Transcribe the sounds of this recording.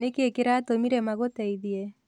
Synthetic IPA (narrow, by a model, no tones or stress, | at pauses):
nekekeɾatomiɾɛmaɣotɛiðiɛ